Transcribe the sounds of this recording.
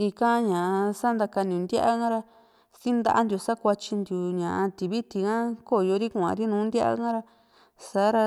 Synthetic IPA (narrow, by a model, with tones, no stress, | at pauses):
i˧kã˦ɲã˨ʔsa˦nd̪a˧ka˧nĩ˨˧nd̪ja˦ʔa˦ŋã˦ɾa˧ | si˦nd̪a̰˦ʔa˧nd̪ju˧sa˦kʷa˧t͡ʃi˧nd̪ju˨ɲã˨ʔa˧t̪i˨βi˦t̪i˧ŋã˦ko˦˨jo˧ɾi˦kũ˧ã̰˧ɾi˦nũː˨˦nd̪ʲa˦ʔa̰˦ŋã˦ɾa˧ | sa˨˦ɾa˧